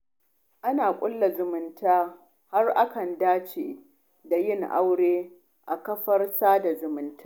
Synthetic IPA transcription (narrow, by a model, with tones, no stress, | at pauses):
ʔa˦naː˨kʷʼʊ˦lːa˨zʊ˨mɪ˨ntaː˦ | ha˦rʔa˦kɐ˨ndaː˦t͡ʃeː˨ | da˨jɪ˦˨ŋʔa̰˦wɽeː˦ | ʔa˨kɐ˦ɸɐ˦rsaː˦da˨zʊ˨mɪ˦ntaː˦